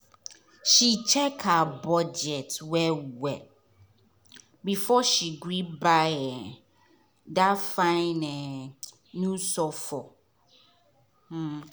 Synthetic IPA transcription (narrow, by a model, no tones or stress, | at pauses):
ʃit͡ʃʰɛkabɔd͡ʒɛtwɛwɛ | bifɔʃiɡɾibaɛ | dafãɪ̃nɛ̃ | nũsɔfɔ